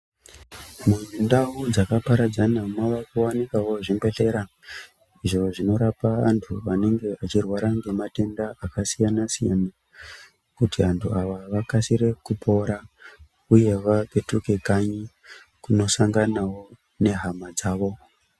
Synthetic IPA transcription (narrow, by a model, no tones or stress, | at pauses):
munindaɦud͡zakapaɾad͡zanamaʋakuwanikawo̞ʐimbe̞ɬe̞ɾa | iʐo̞ʐino̞ɾapaantʰuʋane̞ŋɡe̞ʔat͡ʃirwaɾaŋɡe̞mate̞ndaakasijanasija̰na | kutiantʰuaʋaʋakasiɾe̞kupʰo̞ɾa | uje̞ʋape̞tuke̞kaɲi | kuno̞saŋɡanawo̞ | ne̞ɦamad͡zaːʋo̞